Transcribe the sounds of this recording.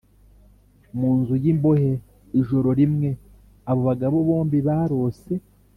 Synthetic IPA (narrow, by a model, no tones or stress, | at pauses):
muːnzujimbo̞ɦe | iʒo̞ɾo̞ɾimŋe̞ | aβo̞βaɡaβo̞βo̞ːmbiβaːɾo̞se̞